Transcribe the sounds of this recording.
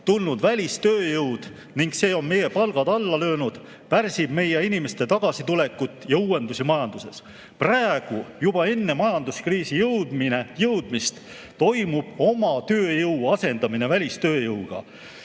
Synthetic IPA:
t̪ulnud̪vælʲist̪øːjɤwd̪̥ | niŋɡ̥se̞ːo̞nme̞je̞pɑlɡ̥ɑd̪ɑlːɑlø̞ːnud̪̥ | pærsib̥me̞jeinimest̪et̪ɑɡ̥ɑsit̪ule̞kːˑut̪ːˑjɑuːe̞nd̪usimɑjɑnd̪̥use̞s | præeɡ̥ujub̥ɑe̞nːe̞mɑjɑnd̪uskriːsijɤwd̪̥mine̞jɤwd̪̥mist̪ | t̪o̞jmub̥o̞mɑt̪øːjɤwɑse̞nd̪ɑmine̞vælʲist̪ø̞ːjɤwɡ̥ɑ̰

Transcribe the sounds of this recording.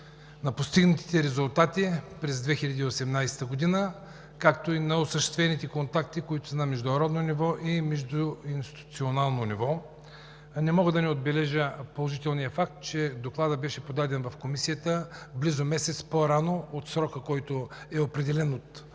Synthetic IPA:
nɐpost̪iɡnət̪i̥t̪ɛɾɛzulˠt̪at̪ipɾɛzd̪vɛxilʲɐd̪iːosɛmnajsɛ̥t̪əɡod̪inə | kakt̪oinɐosəʃt̪ɛ̥st̪vʲɛnit̪ɛkont̪ak̚t̪ikoit̪ʊ̥sɛnɐmɛʒd̪ʊnɐɾɔd̪nonivɔʔimɛʒd̪ʊinst̪ʲi̥t̪u̥t̪sionalˠnonivɔ | nɛmɔɡəd̪ɐnɛod̪bɛlɛʒəpolˠoʒit̪ɛlˠnijəfak̚t̪̚t͡ʃɛd̪oklˠad̪əbɛʃɛpod̪ad̪ɛnvɐfkomisiət̪əblizomɛsɛt̪spoɾanoot̪sɾɔkəkɔjt̪oɛopɾɛd̪ɛlɛnot̪

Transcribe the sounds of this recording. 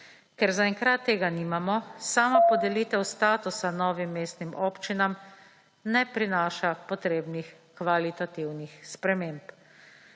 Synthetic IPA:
kɛɾzaɛŋkɾat̪ːeːɡaniːmamɔsaːmapɔd̪ɛliːt̪ɛwst̪aːt̪usanɔːʋimːeːst̪nimʔoːpt͡ʃinam | nɛpɾinaːʃapɔt̪ɾeːbnix | kʋalit̪at̪iwnixspɾɛmeːmp

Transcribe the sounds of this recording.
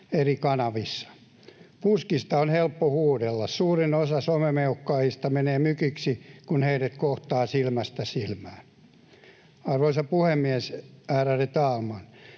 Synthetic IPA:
erikɑnɑʋisːɑ̥ | puskist̪ɑonhelpːohuːdelːɑssuːrinosɑsomemeukːɑːjist̪ɑmeneːmykyksikunheiret̪koht̪ɑːsilmæst̪æsilmæːn | ɑrʋoisɑpuhemːiɛsæːræret̪ɑːlmɑn

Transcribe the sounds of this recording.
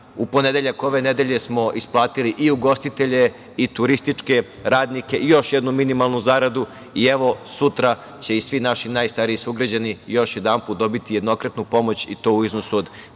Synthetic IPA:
upo̞ne̞d̪eʎako̞ʋe̞ned̪e̞ʎe̞smo̞ʔisplˠaːt̪iliʔiuɡo̞st̪it̪eʎe̞ | it̪uɾist̪it͡ʂke̞ | ɾaːd̪nike̞ʔijo̞ʃjed̪numinimalˠnuzaɾad̪u | ieʋo̞sut̪ɾa | t͡ɕe̞isʋinaʃinajst̪aɾiisuɡɾad͡ʑanijo̞ʃje̞d̪ampuːt̪̚d̪o̞bit̪ijed̪no̞kɾat̪nupo̞mo̞t͡ɕḭt̪o̞ːuiznosuod̪

